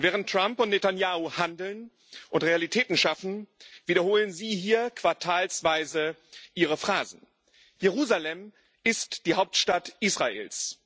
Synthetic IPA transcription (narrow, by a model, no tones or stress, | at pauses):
vɛːʁ̞əntːʁ̥ampʊntnetanjaːuhandl̩n | ʔʊntʁealitʰɛːtn̩ʃafn̩v̥iːɾɐhoːlənziːhiːɐkv̥aɐtʰaːlsv̥aɪzəʔiːʁəfʁ̥aːzn̩ | jeʁuːzalɛm | ɪstd̥iːhaʊp̚tʃtatʔiːsʁ̥aḛːls